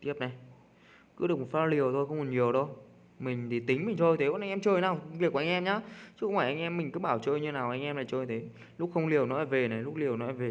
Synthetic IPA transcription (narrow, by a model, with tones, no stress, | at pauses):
t̪i˦˥əp̚na˨˩j | kɨ˨˦ɗɨ˨˩ək̚m˨˩t̚faː˧li˨˩əwt̪ʰo˧jxə˧wŋ͡mkɔ˨˩nɲi˨˩əwɗo˧j | mï˨˩ŋ̟t̪ʰi˧˨˩t̪ï˨˦ŋ̟mï̟˨˩t͡ɕ̪ʰo˧jt̪ʰe˨˦ɓnʔa˧ŋ̟ʔɛ˧mt͡ɕəː˨˩jnaː˨˩wvi˨˩kːa˧ŋʔɛ˧mɲaː˨˦˥t͡ɕɨ˦˥xwŋ͡maː˧˩ʔa˧ŋ̟ʔɛ˧mːï˨˩ŋ̟kɨ˨˧˦ɓaː˧˩wt͡ɕəː˧jɲɨ˧naː˨˩wʔa˧jŋ̟ʔɛ˧mlaː˨˩t͡ɕəː˧˩jt̪ʰe˨˦ | lʊ˦˥k̚xə˧wŋ͡mli˨˩əwnɔ˨˦aː˧˩ve˨˩na˨˩jlʊ˦˥k̚li˨˩əwnɔ˨˦aː˧˨˩ve˨˩